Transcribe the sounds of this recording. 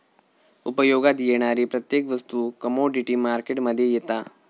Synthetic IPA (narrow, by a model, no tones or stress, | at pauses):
upɐjoːɡad̪ijeːɳ̃aːɾipɾɐt̪jeːkʋɐst̪ukɐmoːɖiʈimaːɾkeʈmɐd̪ʱjejɐt̪aː